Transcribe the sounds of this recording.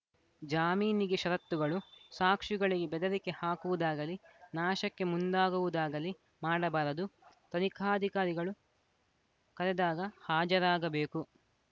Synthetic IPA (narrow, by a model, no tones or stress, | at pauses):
d͡ʒaːmiːniɡeʃɐɾɐt̪ːuɡɐɭusaːkʂiɡɐɭiɡebɛd̪ɐɾike̞haːkuʋud̪aːɡɐlinaːʃɐkːe̞mund̪aːɡuʋud̪aːɡɐli | maːɽɐbaːɾɐd̪ut̪ɐnikʰaːd̪ʱikaːɾiɡɐɭu | kɐɾɛd̪aːɡɐhaːd͡ʒɐɾaːɡɐbe̞ːku